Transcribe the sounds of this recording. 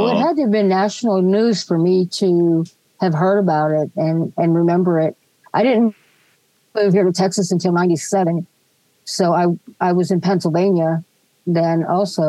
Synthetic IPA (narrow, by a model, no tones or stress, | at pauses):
ɪt̚hɨd̪̚ðə˞bɨ̃nːæʃn̩l̩ˠnʉz̥fə˞miɾɨ | ɨv̥ɦɜ˞ɾəbaʊɾɪɾ̚ɨ̃nɨ̃nɹɨmɛ̃mbə˞ɪt̚ | ʔaɪɾɪdⁿn̩ | u̥iɹɾɨtʰɛksɨsɨ̃ntʰɪlˠnãɪ̃ntisɛvɨ̃n | soʊaɪaɪwʌzɨ̃npʰɛ̃nsl̩ˠvẽɪ̃njə | ðɨ̃nɔlˠsoʊ